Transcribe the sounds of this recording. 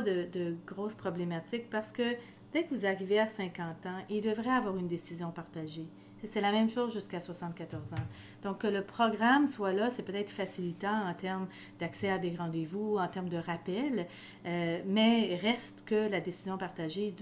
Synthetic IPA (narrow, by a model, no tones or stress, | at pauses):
d̪əd̪əɡʁɔospʁɔblemat̪ɪk̚paʁsə̥kə | d̪̥ɛkəvuzaʁiveasɛ̃kɑ̃t̪ɑ̃ild̪əvʁɛavwaʁynd̪esizjɔ̃paʁt̪aʒe | sɛlamɛ̃mʃozʒyskaswasɑ̃t̪̚kat̪ɔʁzɑ̃ | d̪̥ɔ̃kːələpχɔɡʁamswalasɛpøt̪ɛt̪χfasilit̪ɑ̃ɑ̃t̪ɛʁm | d̪̥aksɛad̪eʁɑ̃d̪evuɑ̃t̪ɛʁmd̪əʁapɛl | ømɛʁɛst̪kəlad̪esizjɔ̃paʁt̪aʒe